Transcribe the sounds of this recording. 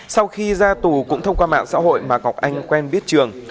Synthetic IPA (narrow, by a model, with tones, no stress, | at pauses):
sa˧wxi˧zaː˧t̪u˨˩kʊ̰˧˥ŋ͡mt̪ʰə˧wŋ͡mkwaː˧ma̰ː˧˨nsa̰ː˧˥ho̰˧˨jmaː˨˩ɣɔ˨˩k͡p̚ʔa˧jŋ̟kwɛ˧nɓi˦˥ət̚t͡ɕɨ˨˩əŋ